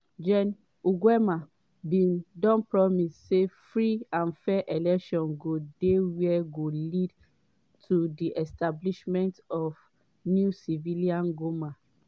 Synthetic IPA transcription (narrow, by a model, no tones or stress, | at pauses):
d͡ʒɛ̃n | uɡwɛma | bĩndɔ̃npɹɔmisːefɹiãnfɛʔɛlɛkʃɔ̃nɡodewɛɡolid | tʰudiʔɛstabliʃmɛ̃ntɔf | njusiviliãnɡoma